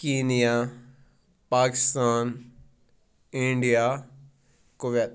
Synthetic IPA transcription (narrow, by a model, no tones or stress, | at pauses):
kiːnija | paːkɪst̪aːn | ɪ̃ɳɖijaː | koʋet̪